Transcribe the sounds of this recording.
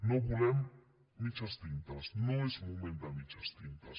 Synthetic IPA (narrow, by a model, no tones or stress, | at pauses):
nobulen | mit͡ʃast̪int̪asnoesmomẽnt̪amit͡ʃast̪int̪as